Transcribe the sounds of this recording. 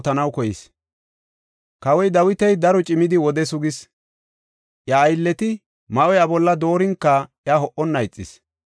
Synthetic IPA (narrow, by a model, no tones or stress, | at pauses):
t̪ɐnɐwkɔjɪs | kɐwɔjd̪ɐwɪt̪ɛjd̪ɐɾɔt͡ʃʼɪmɪd̪ɪwɔd̪ɛsʊɡɪs | ʔjaːjlːɛt̪ɪ | mɐʔɔjɐbɔlːɐd̪o̞ːɾɪŋkːɐjaɦɔʔɔnːɐjt͡sʼːɪs